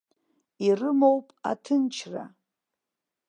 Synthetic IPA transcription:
irɨmowpʼa̰tʰɨnt͡ʃʰra̰

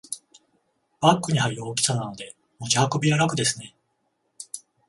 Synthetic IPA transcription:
b̥akːɯ̟ɲ̟ihaɾioːkʲi̥sanano̞d̪e̞ | mod͡ʑiako̞bʲijaɾakɯ̟d̪e̞sɨne

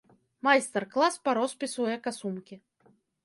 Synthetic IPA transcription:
majst̪ɛrklˠaspaɾɔspʲisujɛkasumkʲi

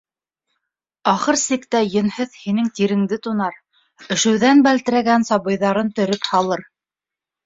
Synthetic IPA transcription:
ɑχɤɾsikt̪æjɘ̆nhɘðhinɘŋt̪iɾɘ̆ŋd̪ɘt̪unɑɾ | ɵ̆ʃɘ̆wðænbælt̪ɘ̆ɾæɡænsɑβɤ̆jðɑɾɤnt̪ɵ̆ɾɵphɑlˠɤɾ

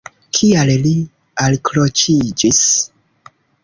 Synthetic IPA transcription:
kʰialli | alkɾot͡ʃid͡ʒis

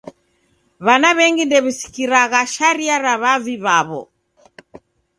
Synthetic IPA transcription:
βanaβɛŋɡindɛβisi̥kiɾaɣaʃaɾiaɾaβaviβaβɔ̰

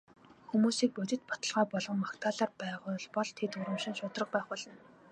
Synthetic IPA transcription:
xumuːsiːk̚pɵt̪ʲɪ̆t̪̚pɔt̪ə̆ɮʁɔːpɔɮʁɞ̆mmakt̪ʰaːɮaːrpæːʁʊːɮpɔɮt̪ʰet̪ʊɾə̆mʃɪ̆nʃʊːt̪rə̆q̚pæːχpɔɮɞ̆n

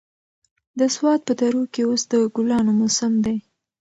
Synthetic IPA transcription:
d̪əswɑt̪̚pət̪aɾukeosd̪əɡʊlɑnomʊsɪmd̪ej

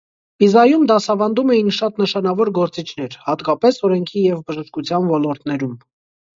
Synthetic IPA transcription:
bizɑjumd̪ɑsɑvɑnd̪umɛjinʃɑt̪nəʃɑnɑvɔɾɡɔɾt͡sit͡ʃʰn̪ɛɾhɑt̪kɑpɛsɔɾɛŋkʰijɛvbəʒəʃkut͡sʰjɑnvɔlɔɾt̪nɛɾum

